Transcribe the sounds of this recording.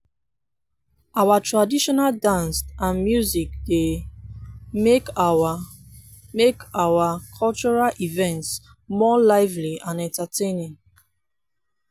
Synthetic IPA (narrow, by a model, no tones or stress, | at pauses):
awatɹadiʃɔnaldãnstãnmjuzik̚de | meka | mekawakʰɔlt͡ʃɔɹalʔivɛ̃nts | mɔlaɪvliãnɛ̃ntatẽnĩŋ